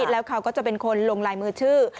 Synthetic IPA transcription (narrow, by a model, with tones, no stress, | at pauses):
t̪̚lɛː˦˥wkʰa˦˥wkɔː˥˩t͡ɕa˨˩pe˧nkʰo˧nloː˧ŋlaː˧jmɯː˧t͡ɕʰɯː˥˩